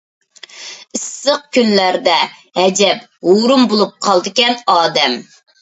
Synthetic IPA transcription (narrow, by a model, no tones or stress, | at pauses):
ɪsːəq̚kʲynlæɾd̪ɛhɛd͡ʒɛp | huɾumbolˠup̚qʰɑlˠd̪ɨkʲɛnɑːd̪ɛm